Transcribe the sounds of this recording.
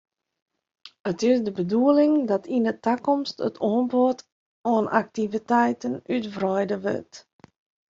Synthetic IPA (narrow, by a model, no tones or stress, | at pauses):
ətɪsdəbəduəlɪŋdɑtʰindətakɔmstə̰tʰoːnbot | oːnʔak̚tivitɛjtənytvrœjdəʋɪ̰t